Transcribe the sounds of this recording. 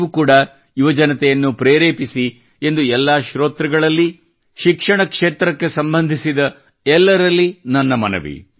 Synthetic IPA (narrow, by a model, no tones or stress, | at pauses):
ʋukuːɽɐ | iʋɐd͡ʒɐnɐt̪ɛjɐnːupɾeːɾeːpisi | e̞nd̪uɛlːaːʃɾoːt̪ɾɛɡɐɭɐlːi | ʃikʂɐɳɐkʂeːt̪ɾɐkːe̞sɐmbɐnd̪ʱisid̪ɐ | ɛlːɐɾɐlːinɐnːɐmɐ̰nɐ̰ʋḭ